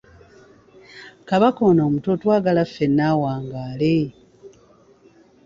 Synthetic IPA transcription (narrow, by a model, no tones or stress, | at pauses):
kaβakoːnoːmutotwaːɡalafːe̞nːaːwaːŋɡaːle